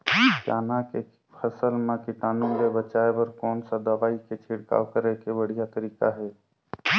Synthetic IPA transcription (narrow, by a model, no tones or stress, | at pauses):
d͡ʒaːnake | pʰəsəlmãkɪʈ̪aːnũɡebət͡ʃaːebɐɾkɔːnsad̪ɐʋaːiket͡ʃʰɪɽka̰ʋkəɾekebəɽ̤ijat̪əɾiːkaɦɛː